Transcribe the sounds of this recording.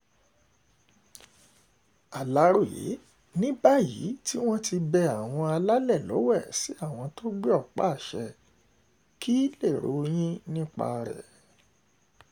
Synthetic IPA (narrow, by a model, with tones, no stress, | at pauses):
a˨la˨˦ɾo˦˨jḛ˨˦ | nĩ˦ba˦jḭː˨˦ti˦w̃ɔ̃˦ti˧bɛ˧a˨w̃ɔ̃˧a˧la˦lɛ˦˨lɔ̰˨˦wɛ˦˨si˨˦a˦˨w̃ɔ̃˧to˦ɡ͡bɛ˦ɔ˦˨k͡pa̰˦˨ʃɛ˧ | ki˦le˦˨ɾo̰˨˦j̃ĩ˦nĩ˦k͡pa̰˧ɾɛ̰˨